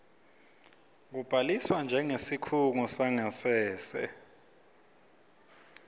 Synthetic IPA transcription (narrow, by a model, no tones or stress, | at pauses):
k̬ub̥ʱaliswand͡ʒʱɛŋesikʰuŋusaŋasɛːsɛ̰